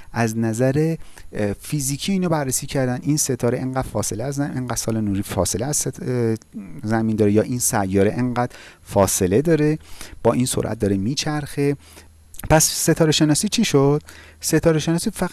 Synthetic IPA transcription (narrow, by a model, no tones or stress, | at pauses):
ʔæznæzæɾe̞ | fiziːcʰiiːnɒbærːesiːcʰæɾd̪ænd̪iːnse̞t̪ʰɒːɾeʔeŋɢæːd̪̥fɒːse̞leæzæʔeŋɢæd̪sɒːlenuːɾiːfɒːse̞leæz̥e | zæmind̪ɒːɾejɒːʔiːnsæjːɒːɾeʔeŋɢæd̪̥ | fɒːse̞le̞d̪ɒːɾe̞b̥ɒːʔinsoɾʔæ̰t̪̚d̪ɒːɾemiːt͡ʃʰæɾxe̞ | pʰæsse̞t̪ʰɒːɾeʃe̞nɒːsiːt͡ʃʰiʃod̪̥ | se̞t̪ʰɒːɾeʃe̞nɒːsiːfæ